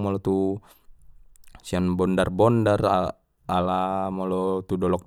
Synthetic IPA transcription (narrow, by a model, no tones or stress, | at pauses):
mɔlɔt̪u | sianbɔndarbɔndara | alamɔlɔt̪udɔlɔk̚